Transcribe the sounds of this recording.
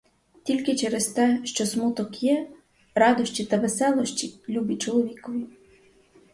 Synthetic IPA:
t̪ʲilʲkɪt͡ʃɛɾest̪ɛʃt͡ʃɔsmut̪ɔkjɛ | ɾɑd̪ɔʃt͡ʃʲit̪ɐʋesɛlˠɔʃt͡ʃʲilʲubit͡ʃɔlˠɔʋʲikɔʋʲi

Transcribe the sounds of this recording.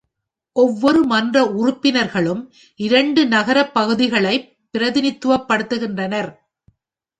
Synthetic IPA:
ʔɔʋːɔɾɯmɐndrɐʊrʊpːɪnɐɾɣɐɭɯm | ʔɪɾɐɳɖɯnɐɣɐɾɐpːɐɣɯðɪɣɐɭɐɪppːɪɾɐðɪnɪt̪ːɯʋɐpːɐɽɯt̪ːɯɣɪndrɐnɐɾ

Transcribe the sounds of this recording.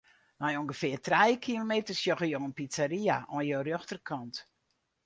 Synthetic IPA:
nɔjoŋɡəfɪərtrɛjkʰilomeːtərsjoɣəjoənpit͡saɾiaʔɔnjoːrøxtərkʰɔnt

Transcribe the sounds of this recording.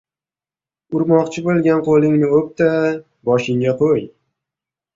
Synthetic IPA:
ʊɾmɒqt͡ʃʰɪbolˠɡʲanqʰolˠɪŋnɪop̚t̪a | bɒʃɪŋɡʲaqʰoj

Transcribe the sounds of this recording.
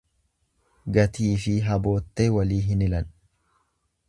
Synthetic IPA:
ɡɐt̪iːfɪɦɐbo̞ːt̪ːeːwɐliːɦɪnɪlɐn

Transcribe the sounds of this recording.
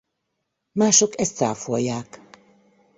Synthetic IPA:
maːʃokɛst̪sa̰ːfojjːaːk

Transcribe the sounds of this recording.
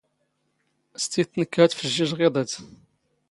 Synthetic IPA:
st̪iθnəkːæt͡s̪fəʒːiʒʁeðˤət͡s

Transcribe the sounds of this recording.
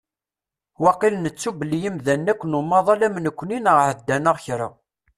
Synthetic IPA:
wɑqilənət͡sːubəlːijimðænːækʷːənumːɑðˤɑlæmənəkʷːninəʁʕəd̪ːænəʁçɾa̰

